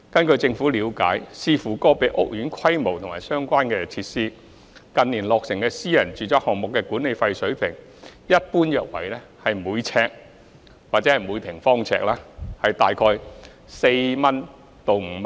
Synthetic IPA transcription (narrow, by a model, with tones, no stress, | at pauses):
kɐ˥nkɵ˧ɥt͡sɪ˧ŋfu˨˥liː˨˧wka̰ː˨˥jsiː˧fuː˨˩kɔː˥˧pe˨˧˥jʔʊ˥k̚jyː˨˥nkʰɐ˥jmo˨˩wt̪ʰʊ˨˩ŋmaː˨˩jsœː˥ŋkʷaː˥nkɛː˧t͡sʰiː˧t̚siː˥ | kɐ˨nːiː˨˩nlɔː˨k̚sɪ˨˩ŋkɛː˧siː˥jɐ˨˩nt͡ʃyː˨˩t͡sɔː˨˥hɔː˨ŋ̚mʊ˨kːɛː˧kuː˨˥ne˨˧jfɐ˧jsɵ˨˥ɥpʰɪ˨˩ŋ | jɐ˥t̚puː˥njœː˨˧k̚wɐ̰˨˩jlɛ˥hɐ˨jmuː˨˧jt͡sʰɛː˧k̚ | waː˨t̚t͡sɛ˨˦˥ɐ˨˩jmuː˨˧jt̪ʰɪ˨˩ŋfɔː˥ŋt͡sʰɛ̰ː˧k̚laː˥hɐ˨jt̪aː˨jkʰɔː˧j | se˧jmɐ˥n | t̪o˨wm̩˨˧